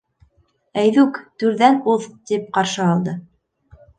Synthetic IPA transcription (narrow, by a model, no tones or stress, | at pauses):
æjðʉkt̪ʉɾðænuðt̪ip̚qɑɾʃɤɑlˠd̪ɤ